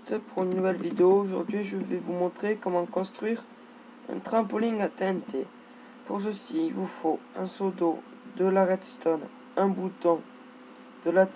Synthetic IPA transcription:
t̪puʁynːuvɛlvid̪eoːʒuʁd̪ɥiʒəvɛvumɔ̃t̪χekɔmɑ̃kɔ̃st̪χɥiʁ | ɛ̰̃t̪χɛ̃polĩŋat̪ɛ̃t̪e | puʁs̬əsiilvufoɛ̃sod̪o | d̪əlaʁɛt̪st̪ɔn | ɛ̃but̪ɔ̃ | d̪̥əla

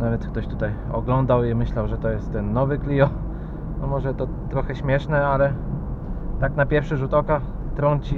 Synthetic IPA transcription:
navɛt̪sk̚t̪ɔɕt̪ut̪aj | ɔ̰ɡlɔnd̪awimɘɕlawʐɛt̪ɔjɛst̪ːɛnːɔvɘklʲiɔ | nɔmɔʐɛt̪ɔ | t̪ɾɔxɛɕmʲjɛʂnɛalɛ | t̪aknapʲjɛɾfʂɘʐut̪ɔka | t̪ɾɔɲt͡ɕi

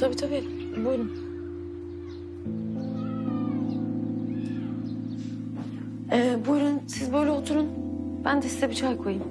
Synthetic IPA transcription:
t̪ʰabit̪ʰabi | bujɾun | ɛbuɾunsizbojlɛot̪ʰuɾun | b̥ænd̪ɛsizɛbit͡ʃʰaːjkʰojim

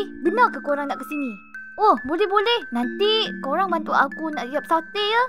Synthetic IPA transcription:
bənakakoɾaŋnaʔkəsinĩ | ohbolɛhbolɛhnant̪ikoɾaŋbant̪uʔakunaʔiap̚sat̪eə

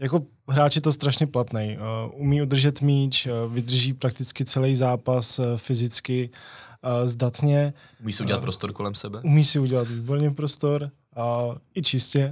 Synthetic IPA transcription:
jako̞ | ɦɾaːt͡ʃɪt̪ost̪ɾaʃɲɛplat̪nɛjʔumiːud̪r̩ʒɛt̪miːt͡ʃvɪd̪r̩ʒiːpɾak̚t̪ɪt͡skɪt͡sɛlɛjzaːpasfɪzɪt͡skɪ | zdat̪ɲɛ | umiːsɪuɟɛlatpɾost̪oɾkolɛmsɛbɛumiːsɪuɟɛlat̪viːboɾɲɛpɾost̪o̞ɾ | ɪt͡ʃɪscɛ

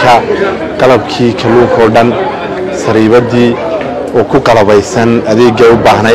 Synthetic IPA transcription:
kʰɐ | qɑlɐbkʰiːkʰɐluːŋkʰɔːɖɐn | sɐɾiːβɐðiː | ɔːkʰʊqɑlɐβɛjsɐnɐðɛːɡɐʊbaːɦnɐ

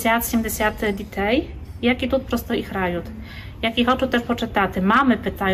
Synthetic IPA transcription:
sʲat̪ɕɛmʲdeɕʲat̪d̪ʲit̪ʰɛj | jakʲit̪ut̪̚pɾɔst̪ɔixɾajut̪ | jakʲixɔt͡ʂɛt̪ɛʂpɔt͡ʂɘt̪at̪ɘmamɘpɘt̪aj

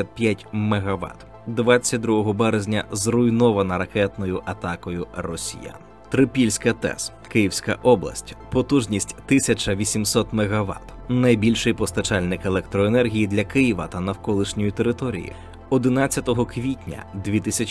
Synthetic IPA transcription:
ɐpʲjatʲmeɦɐʋɑ̰t̪ | d̪ʋɑt͡sʲːɐt̚ʲd̪ɾuɦɔɦɔbɛɾezʲnʲɐzrʊjnɔʋɐnɐɾɐkɛt̪nɔjʊʔɐt̪ɑkɔjʊrɔsʲḭja̰n | t̪ɾɪpʲilʲsʲkɐt̪ɛ̰s | kɪjiwsʲkɐ̰ʔɔblˠɐ̰sʲtʲpɔt̪uʒnʲisʲtʲt̪ɪsʲɐt͡ʃɐʋʲisʲimsɔt̪meɣɐʋɑ̰t̪ | nɐjbʲilʲʃɪjpɔst̪ɐt͡ʃɑlʲnɪkelˠɛk̚t̪ɾɔenɛrɦʲijid̪lʲɐkɪjiʋɐt̪ɐnɐwkɔlˠɪʃnʲɔjʊt̪e̞ɾɪt̪ɔɾʲḭjḭ | ɔd̪ɪnɑt͡sʲːɐt̪ɔɦɔkʋʲitʲnʲɐ̰d̪ʋʲit̪ɪsʲɐt͡ʃ

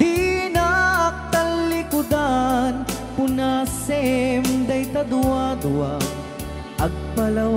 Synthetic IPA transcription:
d̪inak̚t̪ɐlːikud̪an | punaːsɛmd̪ɐjt̪ɐd̪uwad̪uwa | ɐɡ̚pɐlɐw

